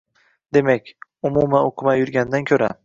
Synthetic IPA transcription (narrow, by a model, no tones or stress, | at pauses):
d̪e̞makʲʊmumaoqʰɨmajʊɾɡʲand̪ankʲʰɵɾa